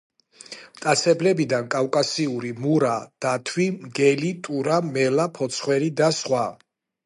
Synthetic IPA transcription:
t̪ʼat̪sʰɛblɛbid̪ankʼafkʼasiuɾimuɾad̪̥at̪ʰwimɡɛlit̪ʼuɾamɛlapʰɔt̪sʰχwɛɾid̪asχwa

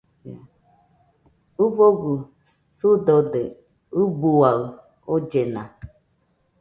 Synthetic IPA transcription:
a | uβoɡu | sud̪od̪e | ubuaɯ | od͡ʒenã

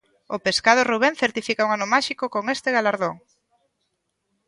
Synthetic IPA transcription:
opeskað̞ʊruβ̞enθeɾt̪ifikauŋanʊmaʃikokoŋest̪eɣalaɾðoŋ

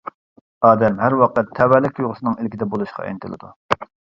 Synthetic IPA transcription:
ɑːd̪ɛmɦæɾwɑqɛt̪ʰːɛwɛlɪkʲujʁʊsɨnɨŋelkʲid̪ɛbolˠuʃqɑ̰ɛ̰nɪt̪ɨlɨ̰d̪u

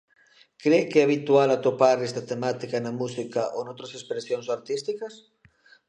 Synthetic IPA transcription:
kɾekeɛaβit̪ualat̪opaɾest̪at̪emat̪ikanamusikaʔo̰not̪ɾasespɾesjonsoaɾt̪ist̪ikas

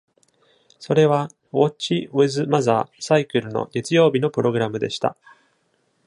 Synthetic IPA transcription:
so̞ɾe̞βa | o̞ːt͡ɕioezɨmazaːsaikɯ̟ɾɯ̟no̞̰ɡe̞t͡sɨjo̞ːbʲino̞pɯɾo̞ɡɯɾamɯ̟d̪e̞ɕi̥t̪a̰

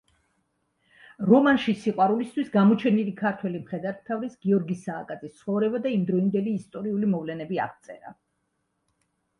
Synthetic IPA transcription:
ɾɔmanʃisiqʼwaɾulist̪ʰwisɡamɔt͡ʃʰɛnilikʰaɾt̪ʰwɛlimχɛd̪aɾt̪t̪ʰavɾisɡiɔɾɡisaːkʼad̪zʰʼist̪sʰχɔvɾɛbad̪aimd̪ɾɔind̪ɛliːst̪ʼɔɾiulimɔvlɛnɛbia̰ʁt̪sʼɛ̰ɾa̰

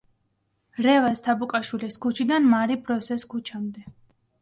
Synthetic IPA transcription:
ɾɛvast̪ʰabukʼaʃwiliskʰut͡ʃʰid̪anmaɾibɾɔsɛskʰut͡ʃʰamd̪ɛ

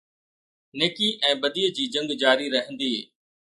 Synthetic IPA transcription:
neːkiʔɛ̃ːbɐd̪iːəd͡ʑiːd͡ʑɐ̃ŋɡd͡ʑaːɾiɾɐɦə̃nd̪iː

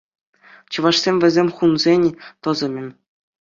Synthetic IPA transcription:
t͡ɕɤ̆ʋɑʂsʲemʲvʲɘ̆zʲemʲχunzʲenʲt̪ɤ̆zɤ̆mʲɘ̆mʲ

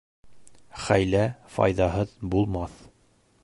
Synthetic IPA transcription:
χæjlæfɑ̰jðɑɦɤðbulˠmɑθ

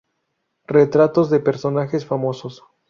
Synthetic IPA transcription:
ret̪ɾat̪o̞zðepe̞ɾso̞naxe̞sfamo̞so̞s

